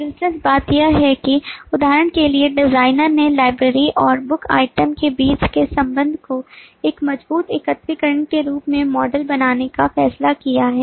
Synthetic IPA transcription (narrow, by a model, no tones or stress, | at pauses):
bɪlsəsbaːt̪jaɦɛkiʊd̪ʱaːɾəɳkelieɖɪzaːɪnəɾnelaːɪbɾəɾiʔɔːɾbʊka̰ːɪʈəmkebiːt͡ʃkesɐ̃mbə̃nd̪ʱkoeːkmɐd͡ʒbuːt̪ɪkət̪ɾikəɾəɳkeɾuːpmẽmɔːɖəlbɐnaːnekafɛːslakijaɦɛː